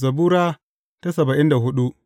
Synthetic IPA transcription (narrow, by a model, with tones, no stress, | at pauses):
zɐ˨buː˦ɾaː˦ | ta˦sɐ˨ba˨ʔɪ˦nda˨hʊ˦ɗu˦